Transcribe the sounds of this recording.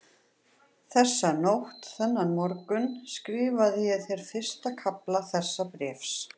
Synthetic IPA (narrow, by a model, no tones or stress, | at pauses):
θɛsːanowht̪θɛnːanmɔɾkʏnskɾiːvaðjɛθɛɾ̥fɪr̥st̪akʰaplaθɛsːapɾɛːfs